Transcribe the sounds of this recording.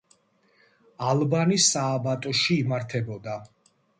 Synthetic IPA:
alˠbanisaːbat̪ʼɔʃiːmaɾt̪ʰɛbɔd̪a

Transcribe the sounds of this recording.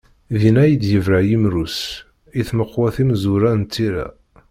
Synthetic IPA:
ðinæjəd̪jəvɾajimɾus | iθməqːwæθimzuɾænt̪ːiɾæ̰

